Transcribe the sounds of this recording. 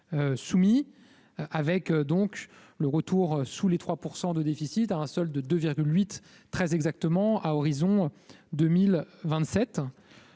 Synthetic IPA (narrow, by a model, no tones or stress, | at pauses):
øsumi | avɛkd̪ɔ̃k | ləʁət̪uʁsulet̪χwapuʁsɑ̃d̪əd̪efisit̪aɛ̃sɔld̪əd̪øviʁɡʲylɥit̪ː | χɛzɛɡzak̚t̪əmɑ̃ʔaɔʁizɔ̃d̪ømilvɛ̃t̪sɛt̪